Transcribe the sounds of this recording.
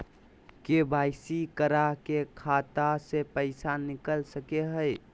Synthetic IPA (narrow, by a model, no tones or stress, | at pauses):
kebajsikəɾakekʰat̪asepəɪsanikəlsəkeɦəj